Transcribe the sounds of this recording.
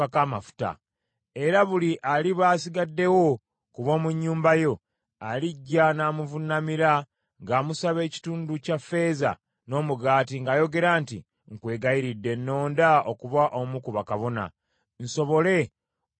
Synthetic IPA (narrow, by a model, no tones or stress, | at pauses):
akaːmafu̥ta̰ | e̞ɾaβuliʔaliβaːsiɡadːe̞wo̞ | kuβo̞ːmuɲːuːmbajo̞ | aliɟːanaːmuvunamiɾa | ŋɡaːmusaβe̞ːci̥tuːnducafːe̞ːza̰ | no̞ːmuɡaːtiŋɡaːjo̞ɡe̞ɾaːntḭ | ŋkwe̞ːɡaiɾidːe̞nːo̞ːndaokuβaʔomukuβakaβo̞na̰ | n̩so̞βo̞le̞